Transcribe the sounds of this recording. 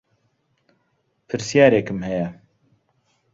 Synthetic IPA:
pʰɨɾsijaːɾekɨmhɛjɛ

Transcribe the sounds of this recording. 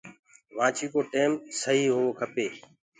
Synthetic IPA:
ʋãːt͡ʃʰiːkoːʈeːmsəɦiːɦoːoːkʰəpeː

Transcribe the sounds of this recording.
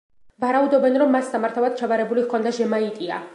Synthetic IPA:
vaɾaud̪ɔbɛnɾɔmːasːamaɾt̪ʰavad̪̥̚t͡ʃʰavaɾɛbuliɣkʰɔnd̪aʒɛmait̪ʼia̰

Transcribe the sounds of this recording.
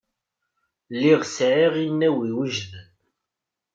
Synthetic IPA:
lːiʁsʕiʁinːæwiwəʒðən

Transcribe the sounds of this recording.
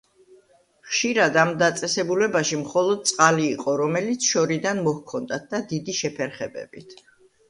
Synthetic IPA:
χʃiɾad̪amd̪at̪sʼɛsɛbulɛbaʃimχɔlˠɔd̪̚t̪sʼqʼaliːqʼɔɾɔmɛlit̪sʰʃɔɾid̪anmɔhkʰɔnd̪at̪̚d̪ad̪id̪iʃɛpʰɛɾχɛbɛ̰bit̪ʰ

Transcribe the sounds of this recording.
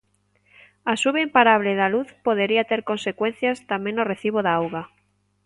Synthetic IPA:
asuβeimpaɾaβ̞leðaluθpoð̞eɾiat̪eɾkõnsekwenθjast̪amẽnoreθiβoðaawɣa

